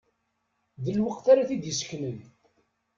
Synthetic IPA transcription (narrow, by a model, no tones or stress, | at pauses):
ðilwəqθaɾaθid̪jəsçnəð